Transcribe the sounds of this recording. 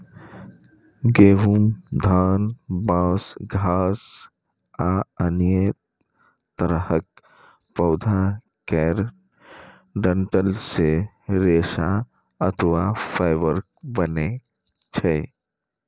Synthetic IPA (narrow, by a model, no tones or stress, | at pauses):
ɡeːɦumd̪ʱaːnbãːsɡʱaːs | aənije | t̪əɾhək̚ | pəʊd̪ʱa | kɛɾ | ɖəɳʈəlse | ɾeːsa | ət̪ʰəʋapʰaɪʋəɾk̚bəne | t͡ʃʰɛ